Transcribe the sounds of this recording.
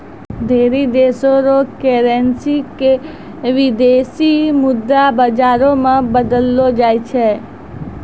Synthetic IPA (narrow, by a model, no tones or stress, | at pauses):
d̪ʱeːɾid̪eːsoɾokeːɾensike | ʋɪd̪esimʊd̪ːabəd͡ʒaːɾõmãbəd̪əlːod͡ʒaːjt͡ʃʰe